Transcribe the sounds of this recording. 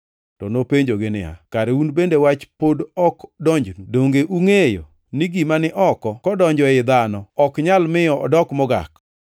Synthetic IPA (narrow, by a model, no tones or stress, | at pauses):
tɔnopeɲd͡ʒoɡɪnɪa̰kaɾeunbendewat͡ʃpodɔkdɔɲd͡ʒnudoŋɡeʔuŋejo̰ | niɡimanɪʔɔkɔkɔdɔɲd͡ʒɔɪd̪anɔɔkɲalmɪjɔɔ̰dɔkmɔɡa̰k